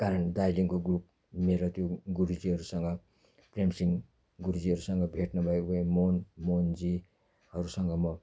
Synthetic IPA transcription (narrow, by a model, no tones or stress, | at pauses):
kaɾʌndajliŋkoɡrup̚ | meɾot̪joɡuɾud͡ziɦʌɾusʌŋɡʌ | premsiŋ | ɡuɾud͡ziɦʌɾusʌŋɡʌbʱeʈnʌbʱʌebʌemonmond͡zi | hʌɾusʌŋɡʌmʌ